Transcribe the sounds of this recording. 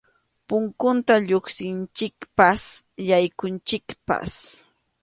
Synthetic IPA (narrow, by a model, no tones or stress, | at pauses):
pʊŋkʊnt̪aʎoχsɪnt͡ʃɪkpasjajkʊnt͡ʃɪkpa̰s